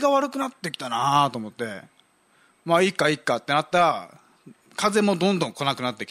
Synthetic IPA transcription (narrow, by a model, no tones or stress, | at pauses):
ɡaβaɾɯ̟kɯ̟nat̪ːe̞kʲi̥t̪anat̪o̞ːmo̞t̪ːe̞ | maikːaikːat̪ːe̞nat̪ːaɾa | kaze̞mo̞d̪õnd̪õ̞ŋko̞nakɯ̟nat̪ːe̞kʲi̥